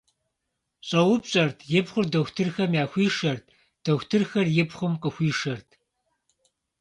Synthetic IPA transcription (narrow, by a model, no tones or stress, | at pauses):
ɕʼɐwʊpɕʼɐrtʰjɪpχʷʊrdɐxʷtʰɨrxɐmjaːxʷiːʂɐrtʰ | d̥ɐxʷtʰɨrxɐrjɪpχʷʊmqʼəxʷiːʂɐrtʰ